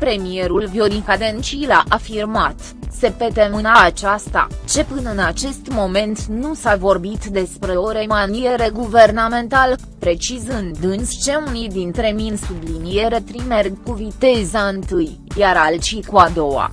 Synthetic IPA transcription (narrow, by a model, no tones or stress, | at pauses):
pɾe̞mije̞ɾulvjo̞ɾikad̪ent͡ʃilaʔafirmat̪ | se̞pe̞t̪emɨnaːt͡ʃast̪a̰t͡ʃe̞pɨnəɨnat͡ʃe̞st̪mo̞me̞nt̪nusavo̞rbit̪d̪e̞spɾe̞o̞ɾe̞manie̞ɾe̞ɡuve̞rname̞nt̪al | pɾe̞t͡ʃizɨnd̪ɨnst͡ʃe̞unijd̪int̪ɾe̞minsublinije̞ɾet̪ɾime̞rɡkuvit̪e̞zaɨnt̪ɨj | jaɾalt͡ʃikuad̪o̞wa̰